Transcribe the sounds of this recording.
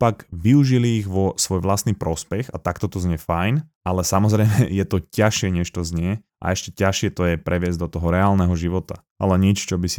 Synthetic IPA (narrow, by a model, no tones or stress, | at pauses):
paɡʋiuʒiliːɣʋɔsʋɔjʋlasniːpɾɔspɛxat̪akt̪ɔt̪ɔzɲɪɛfajn | alɛsamɔzɾɛjmɛjɛt̪ɔcaʃɪɛɲɛʃt̪ɔzɲɪɛ | ʔa̰ɛʃcɛcaʃɪɛt̪ɔjɛpɾʔɛʋɪɛzɟd̪ɔt̪ɔɦɔɾɛaːlnɛɦɔʒiʋɔt̪a | ʔa̰lɛɲɛt͡ʃt͡ʃɔbisi